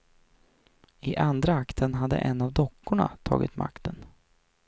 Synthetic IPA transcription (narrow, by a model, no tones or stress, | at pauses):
ɪʔand̪ɾaakt̪ʰənɦad̪ːə̰ʔɛnːavd̪ɔkʰːʊɳa̰t̪ʰɑ̰ːɡɪt̪ma̰kt̪ʰən